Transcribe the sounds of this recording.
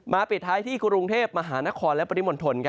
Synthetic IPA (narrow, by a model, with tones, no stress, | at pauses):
maː˧pi˨˩t̪̚ʰːaː˦˥jt̪ʰiː˥˩kʰu˧ku˧ŋt̪ʰeː˥˩p̚ma˧ɦaː˩˦na˦˥kʰɔː˧nlɛ˦˥pa˧i˦˥mo˨˧˦nt̪ʰo˧nkʰa˦˥